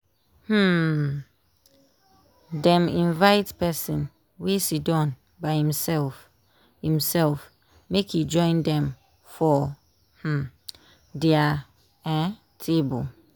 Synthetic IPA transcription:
h̩ | dɛ̃mĩnvaɪtpɛsĩn | wesidɔ̃n | baɪhĩmsɛlf | hĩmsɛlf | mekʰjud͡ʒɔ̃ɪ̃ndɛ̃m | fɔ | h̩ | dɛa | ɛ̃ | tʰebol

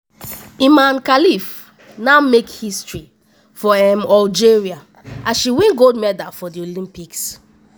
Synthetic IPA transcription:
imãnkalif | namekhistɹi | fɔɛmɔld͡ʒeɹia | ãʃiwĩnɡodmɛdafɔdiolĩmpiks

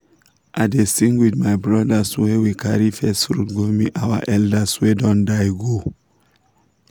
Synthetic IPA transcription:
ʔadesĩŋɡwiðmajbɹɔdaswɛwikʰaɹifɛstfɹutɡomiʔawa̰ʔɛldaswɛdɔ̃ndajɡo

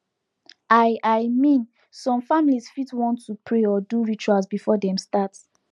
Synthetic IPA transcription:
aɪʔajmĩn | sɔ̃mfamilisfitwɔ̃ntːupʰɹeɔduɹit͡ʃualsbifɔdɛ̃mstat

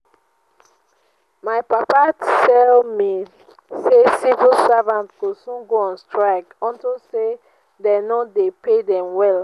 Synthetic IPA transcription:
maɪpapatʰɛlmi | sesivulsavãntɡosũnɡoɔ̃nstɹaɪkɔ̃ntose | dɛnodepʰedɛ̃mwɛl

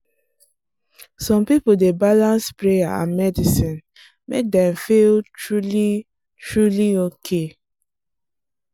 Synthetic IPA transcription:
sɔ̃mpipodebalãnspɹejaã̰nmɛdisĩn | mek̚dɛ̃mfiltɹuli | tɹuliokʰe

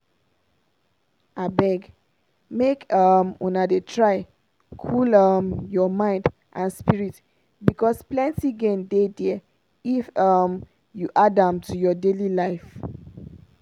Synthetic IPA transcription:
abɛɡ | mekʌmṵ̃nadetʰɹaɪ | kʰulʌmjɔmãɪ̃nd | ʔãnspiɹit | bikɔsplɛ̃ntiɡẽndedɛ | ifʌm | juʔadãmtujɔdelilaɪf

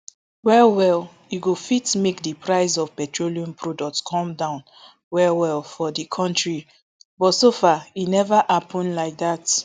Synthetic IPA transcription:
wɛwɛl | juɡofitmekdipʰɹaɪsɔv̥pɛtɹoliɔ̃mpʰɹɔdɔk̚tskʰɔ̃mdãʊ̃n | wɛwɛlfɔðikʰɔ̃ntɹi | bɔtsofainɛvaʔapɔ̃nlaɪk̚ðat

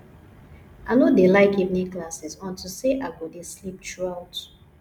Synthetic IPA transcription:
ʔanodelaɪkivnĩklasizɔ̃ntʰuseʔaɡodeslip̚tʰɹuaʊt

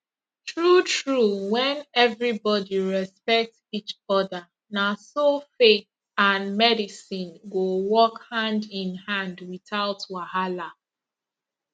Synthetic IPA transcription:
tɹutɹuwɛ̃nɛvɹibɔdiɹɛspɛk̚tsit͡ʃɔðə | nasofek̚ | ãnmɛdisĩnɡowɔkhãndɪ̃nhãndwiθaʊtwahala

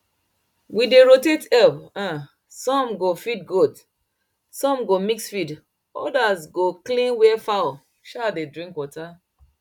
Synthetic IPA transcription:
wideɹotetɛpã | sɔ̃mɡofid̚ɡud | sɔ̃mɡomiksfid | ɔ̰dazɡoklĩnwɛfaʊ | ʃadedɹĩŋkwɔta

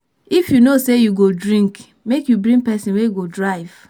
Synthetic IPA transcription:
ifjunosejuɡodɹĩŋk | mekjubɹĩŋɡ̚pɛsĩnwejuɡodɹaɪv̥

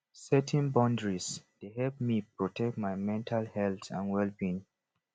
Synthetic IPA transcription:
sɛtʰɛ̃nbɔ̃ndɹisd̥eɦɛlp̚mipɹɔtʰɛk̚tmajmɛ̃ntʰalhɛltã̰nwɛlbĩn

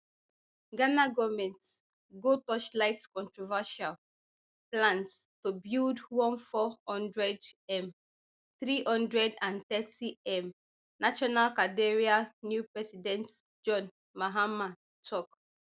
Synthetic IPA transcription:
ɡanaɡɔvmɛ̃nt | ɡotɔʃlaɪtkɔ̃ntɹɔvaʃal | plãnstobildwɔ̃nfɔhɔ̃ndɹɛdɛ̃m | θɹihɔ̃ndɹɛdãnt̪ɛtʰiɛ̃m | naʃɔnalkadeɹianjupɹɛsidɛ̃nt | d͡ʒɔ̃n | maɦama | tʰɔk

